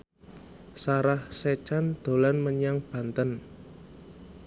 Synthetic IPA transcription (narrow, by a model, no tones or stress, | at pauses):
saɾahset͡ʃand̪̥o̤lanməɲaŋb̥ä̤nt̪ən